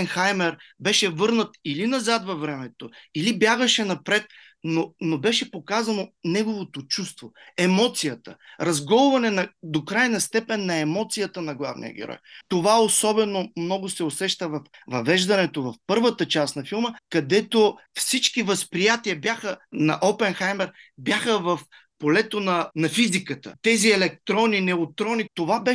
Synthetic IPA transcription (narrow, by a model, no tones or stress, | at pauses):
ɛnxajmɛɾbɛʃɛvɤɾnət̪ilinɐzat̪vɐvɾɛmɛt̪oilibjaɡəʃɛnɐpɾɛt̪̚ | nonobɛʃɛpokazɐnonɛɡovot̪ot͡ʃust̪voɛmɔt̪sijət̪ə̰ɾɐzɡɔlˠvɐnɛnɐd̪okɾajnɐst̪ɛpɛnːɐɛmɔt̪sijət̪ənɐɡlˠa̰vnḭjə̰ɡʲɛ̰ɾɔ̰jt̪ovaosɔbɛnomnɔɡʊsɛosɛʃt̪əvɐfvɐvɛʒd̪ɐnɛt̪ovɐfpɤɾvət̪ət͡ʃasnɐfilˠməkɐd̪ɛt̪ofsit͡ʃkivɐspɾijat̪iəbjaxənɐ̰ʔɔpɛnxajmɛɾbʲjaxəvɐf | polɛt̪onɐnɐfizikət̪ə̰t̪ɛziɛlɛk̚t̪ɾɔnːinɛot̪ɾɔnit̪ovabɛ